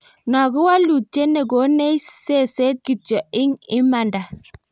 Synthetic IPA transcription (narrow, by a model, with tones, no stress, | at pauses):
nɔ˨ɡʊ˦wa˦lu˨t͡ʃːe˦ne˨ɡo˨˦ne˦se˦˨se˦t̪̚ki˨t͡ʃɔ˨ɪ˦ŋɪ˦ma˨nda˨